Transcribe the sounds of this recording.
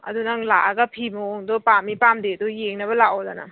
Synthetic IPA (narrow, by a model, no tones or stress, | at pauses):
ɐ̰dunaŋlaʔaɡɐpʰimɔoŋdɔpamːipamdedɔjeŋnɐbɐlaɔdana̰